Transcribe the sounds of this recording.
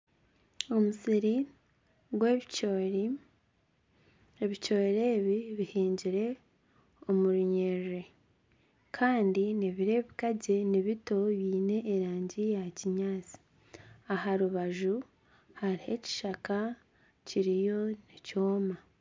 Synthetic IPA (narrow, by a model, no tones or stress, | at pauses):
o̞musiɾi | ɡweo | eβico̞ːɾe̞ːβiβihiːɲɟiɾe̞ | o̞muɾuɲeɾe | kʰaːndineβiɾe̞ːβikaɟe̞niβito̞βiːne̞ʔːɾaːɲɟijaciɲaːt͡si̥ | aɦaɾuβaʒu | haɾihe̞ci̥ʃaka | ciɾijo̞nico̞ːma